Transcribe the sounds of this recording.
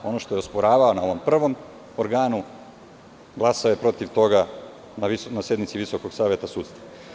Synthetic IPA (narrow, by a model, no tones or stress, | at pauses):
o̞no̞ʃt̪o̞jeospoɾaːʋaonao̞ʋo̞mpr̩ʋo̞m | oɾɡaːnu | ɡlˠasaojepɾo̞t̪iʋt̪o̞ɡa | nainasje̞d̪nit̪siʋisokoɡsaːʋjet̪asuːt̪st̪a